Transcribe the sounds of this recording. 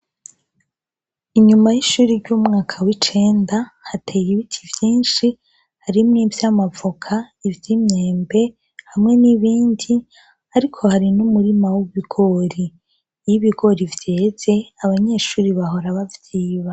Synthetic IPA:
iɲumajiʃuːɾiɾɟuːmŋaːkʰawit͡ʃe̞ːndahatʰe̞ːjiβitʰivjiːnʃi | haɾimŋivjamavokʰaivjiːmɲe̞ːmbe̞ | hamŋe̞niβiːndi | aɾikʰo̞haɾinumuɾimawuβiɡ̥o̞ːɾi | jiβiɡo̞ɾivjeːz̥eaβaɲe̞ːʃuːɾiβaɦo̞ɾaβavjiːβa

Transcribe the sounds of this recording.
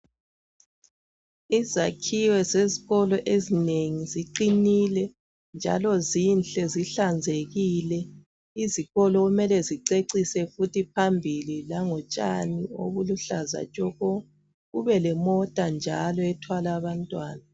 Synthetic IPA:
izakʰiwɛzeziɣɔlɔʔezineŋiziǃinilɛ | nd͡ʒʱa̰lɔzinɬʼɛziɬand͡zʱeɣiːlɛ | iziɣɔlɔɣumɛlɛziǀeǀisɛfutʰipʰambʱililaŋɔt͡ʃʼa̰nio̰βuluɬaza̰t͡ʃʼɔɣɔ | ɣuβɛlɛmɔtʼand͡ʒʱalɔɛtʰwalaːβantʼwaːna

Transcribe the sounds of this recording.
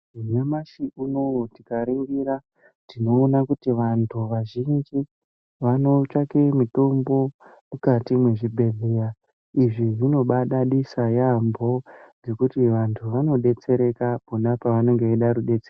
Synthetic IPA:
imwemaʃiʔunotikaɾiŋɡiɾa | tino̞ːnakutiʋantʰuʋaʒind͡ʒi | ʋano̞t͡ʃakemito̞mbo̞mukatimweʐibʱe̞ɮeja | iʐiʐino̞ɓaɗaɗisajambo̞ne̞kutiʋantʰuʋano̞ɗe̞t͡se̞ɾe̞kaponapaʋano̞ŋɡeiɗaɾuɗe̞t͡se

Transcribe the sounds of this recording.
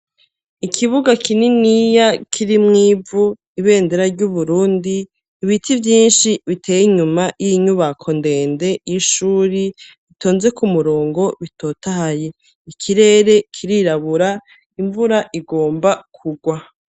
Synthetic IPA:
ikʰiβuɡakʰininijakʰiɾimŋiːu | iβe̞ːndeɾaɾɟuβuɾuːndiː | βitʰivjiːnʃiβitʰe̞ːjiɲumajiɲuβakʰo̞nde̞ːndejiʃuːɾiβito̞ːnze̞kumuɾo̞ːŋɡo̞βitʰo̞ːtahaje | ikʰiɾe̞ːɾe̞kʰiɾiɾaβuɾa | iɱvuɾaʔiɡo̞ːmbakʰuɡwa

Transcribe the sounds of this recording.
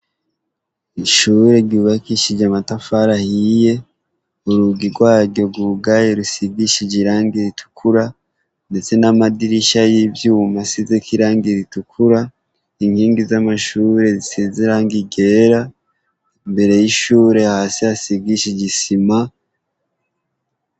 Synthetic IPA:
iʃuɾe̞ɟuːβakiʃiɟamatafaɾahije̞ | uɾuɡiɾɡwaːɾɟo̞ɡuɡajeɾusiɡiʃiɟiɾaːŋɡiɾitʰu̥kʰuɾa | nde̞t͡se̞namadiɾiʃajivjuːmasizekiɾaːŋɡiɾitukʰuɾa | iŋhiːŋɡizamaʃuɾe̞zisiziɾaŋɡiɡe̞ɾa | imbe̞ɾe̞jiʃuːɾe̞haːsiasiɡiʃiɟisima

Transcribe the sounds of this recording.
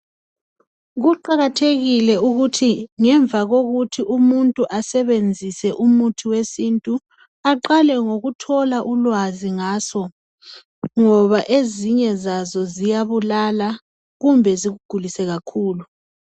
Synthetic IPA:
ɣuǃaɣatʰeɣilɛuɣutʰiŋɛɱvʱaɣoɣutʰiʔumuntʼuʔasɛβend͡zʱisɛʔumutʰiwesintʼu | aǃalɛŋoɣutʰɔlaʔulwaziŋaːsɔ | ŋɔβaʔeziɲɛzazɔzijaβulala | ɣumbʱɛziɣuɡ̥ʱulisɛɣakʰuːlu

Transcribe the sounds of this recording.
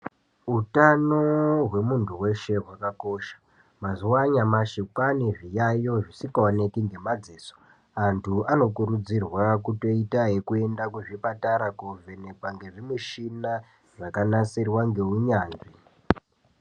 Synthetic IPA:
ɦutanoɦwe̞muntʰuwe̞ʃe̞ɦwakako̞ːʃḁ | mazuwaɲamaʃikwaniʐijajo̞ʐisikaone̞kiŋɡe̞mad͡zeːso̥ | antʰuano̞kuɾud͡zirwakuto̞itaɦe̞kue̞ndakuʐipataɾakuve̞ne̞kwaŋɡe̞ʐimuʃina | ʐakanasirwaŋɡe̞uɲaːnʐi

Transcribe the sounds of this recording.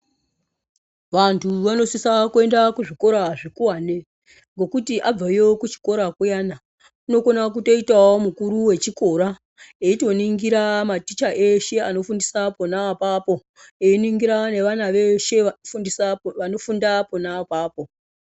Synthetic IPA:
ʋantʰuʋano̞sisakue̞ndakuʐiko̞ɾaʐikuwaːne̞ | ŋɡo̞kutiʔab͡vaijo̞kut͡ʃi̥ko̞ɾakujaːna | uno̞ko̞nak̬uto̞itawomukuɾuwe̞t͡ʃiko̞ɾa | eito̞niŋɡiɾamatit͡ʃaʔeʃe̞ano̞fundisaponapapo̞ | einiŋɡiɾane̞ʋanaʋeʃe̞aiʋano̞fundaponapaːpo̞

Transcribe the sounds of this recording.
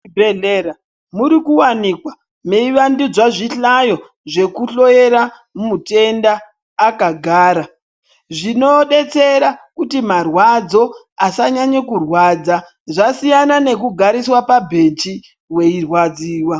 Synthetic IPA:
bʱeeɾa | muɾikuwanikwa | me̞iʋandid͡zwaʐiɬajo̞ | ʐe̞kuɬo̞jeɾa | mumute̞ndaː | kaɡʱaːɾa | ʐino̞ɗe̞t͡se̞ɾakutimarwad͡zo̞ | asaɲaɲekurwad͡za | ʐasijanane̞kuɡʱaɾiswapabʱent͡ʃi | we̞irwad͡ziːwa

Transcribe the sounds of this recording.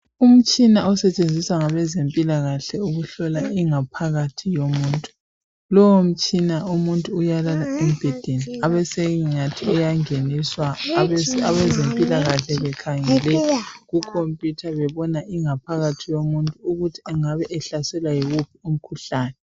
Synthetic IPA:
um̩t͡ʃʼinaɔsɛt͡ʃʼend͡zʱisaŋaβɛzempʼilaɣaɬɛuɣuɬɔlaiŋapʰaɣatʰijomuːntʼu̥ | lɔwom̩t͡ʃʼinaumuntʼuːjalalaɛm̩b̥ʱɛd̥ʱeniaβɛseɣŋatʰiɛjaŋeniswa | aβɛzempʼilaɣaɬɛβɛkʰaŋɛlɛɣukʰompʼjutʰaβɛβɔnaʔiŋapʰaɣatʰijomuntʼuːɣutʰi̥ɛŋaβɛʔɛɬasɛlwajiɣupʰium̩kʰuɬaːnɛ

